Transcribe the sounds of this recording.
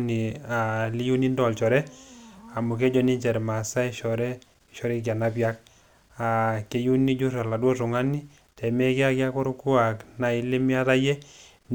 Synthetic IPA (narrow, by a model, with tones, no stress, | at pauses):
ni˨a˨li˦ju˦ni˦ndɔ˨lt͡ʃɔ˨ɾɛ˦a˨mʊ˨k̬e˦d͡ʒɔ˦ni˦ɲt͡ʃɛ˨ɾma˨sa˦i˦ʃɔ˨ɾɛ˦ | ʃɔ˦ɾe˦k̬ja˨na˦pjak̚ | a˨ke˨˧ju˦ni˦d͡ʒu˦ra˨la˨dwɔ˦tʊ˨ŋa˦ni˦ | tɛ˨me˦ke˦a˦kja˦ko˦ɾku˦a˨kna˨i˦le˦mja˦ta˦jɛ˦ | n